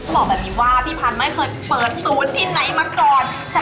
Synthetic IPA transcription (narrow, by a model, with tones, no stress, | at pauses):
bɔː˨˩bɛː˨˩p̚miː˧˩waː˧˥˩pʰiː˥˩pʰaː˧˩nma˥˩jkʰɤː˧jpɤː˨˩t̪̚suː˨˦nt̪ʰiː˥˩na˨˩˦jmaː˧˥˩kɔː˨˧n | t͡ɕʰ